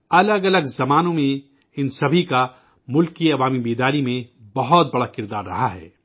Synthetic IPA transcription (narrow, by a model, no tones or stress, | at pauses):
ɐləɡɐləɡzɐmaːnõmẽ | ɪnsɐbʱika | mʊlkiɐʋaːmibiːd̪aːɾimẽbɐɦɔt̪̚bɐɽakɪɾd̪aːɾːɐ̰ɦaɦɛ̰ː